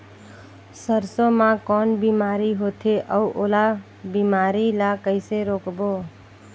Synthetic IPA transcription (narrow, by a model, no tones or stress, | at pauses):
səɾsõmãkɔnbimaɾiɦot̪ʰeʔəuʔola | bimaɾilakəɪseɾokbo